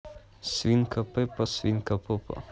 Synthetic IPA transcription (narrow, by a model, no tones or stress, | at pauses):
sʋiŋkapepasʋiŋkapopa̰